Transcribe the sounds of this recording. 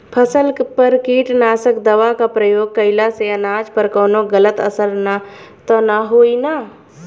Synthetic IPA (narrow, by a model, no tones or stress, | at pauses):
pʰəsəlpəɾkiːʈnaːsəkd̪əʋakapɾəjoːɡ̚kəɪlaseənaːd͡ʒpəɾkoːnoɡələt̪ə̰səɾna | t̪ɔnaɦoːina